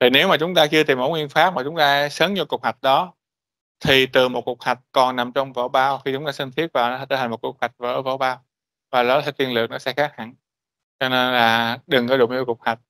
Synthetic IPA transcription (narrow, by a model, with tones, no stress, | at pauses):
t̪ʰi˨˩ne˨˦wmaː˨˩t͡ɕʊ˨˦ŋ͡mt̪aː˧t͡ɕɨ˧ət̪i˨˩mʔo˨˦ŋwi˧ənfaː˦˥p̚maː˨˩t͡ɕʊ˨˦ŋ͡mt̪aː˧ʔsəː˨˦ŋ͡mɲɨ˧wkʊ˨˩k͡p̚hwa˨˩jk̚ɗɔ˨˦ | t̪ʰi˨˩t̪ɨ˨˩mo˨˩ku˨˩ək̚ha˨˩jk̟̚kɔ˨˩nna˨˩mt͡ɕɔ˧wŋ͡mvə̰˧˩˦ɓaː˧wxi˧t͡ɕʊ˨˦ŋ͡mt̪aː˧sï˧ŋt̪ʰi˦˥ət̚vaː˨˩wnɔ˨˦a˧˩t̪əː˧˦ha˨˩ŋ̟mo˨˩t̚ku˨˩k̚hwa˨˩jk̟̚vəː˧˦və̰˧˦wɓaː˧w | vaː˨˩lɔ˨˦t̪ʰa˨˦t̪wi˧əlɨ˨˩ək̚nɔ˨˦sɛ̰˧xaː˦˥k̚ha̰˧˩n | t͡ɕɔ˧ne˧nlaː˨˩ɗɨ˨˩ŋkɔ˨˦ɗṵ˧˨ɲɨ˧wkʊ˨˩ək̚ha˨˩k̚